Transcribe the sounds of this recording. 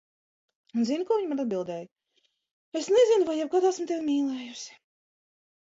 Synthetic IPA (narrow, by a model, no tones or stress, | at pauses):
unzinukuɔviɲmanad̪bilˠd̪ɛːjʊ | esnezinʊvajɛb̚kaːd̪asmt̪ɛwmiːlˠɛːjusɪ̥